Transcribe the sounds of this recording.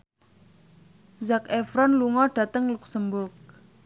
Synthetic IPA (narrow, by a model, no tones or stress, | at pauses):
zakefɾɔnluŋɔɖ̥ä̤t̪əŋluksəmbʊrk̚